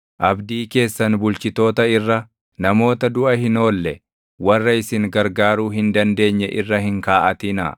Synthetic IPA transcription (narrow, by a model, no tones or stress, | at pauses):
ʔɐbd̪iːke̞ːsːɐnbʊlt͡ʃɪt̪o̞ːt̪ɐɪrːɐ | nɐmo̞ːt̪ɐd̪ʊʔɐhɪno̞ːlːɛ | wɐrːɐɪsɪŋɡɐɾɡaːɾuːɦɪnd̪ɐnd̪e̞ːɲːɛʔɪrːɐhɪŋkaːʔɐt̪ɪnɐ̰